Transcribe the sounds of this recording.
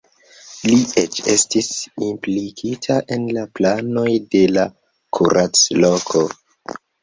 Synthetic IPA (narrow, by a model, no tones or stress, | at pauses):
liḛt͡ʃe̞̰stisimplikʰitʰaʔe̞nlaplano̞jde̞la | kʰuɾʔat͡slo̞kʰo̞